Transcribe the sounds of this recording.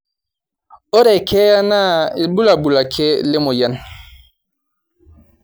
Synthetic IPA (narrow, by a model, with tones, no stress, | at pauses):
o˦ɾɛ˨kʰɛ˦ja˦na˦e˨bu˦la˨bu˨la˨kʰe˦le˦mo˨ja˦n